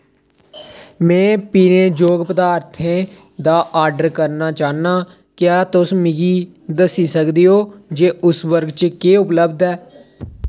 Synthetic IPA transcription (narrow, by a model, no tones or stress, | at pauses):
mɛ̃ːpiːneːd͡ʒoːɡpəd̪aːɾt̪ʰẽː | d̪aːʔaːɾɖəɾkəɾnaːt͡ʃaːnaː | kjaːt̪ʊsmɪɡiː | d̪əsiːsəkd̪iːoːd͡ʒeːʔʊsʋəɾɡt͡ʃkeːʊpləbd̪ɛː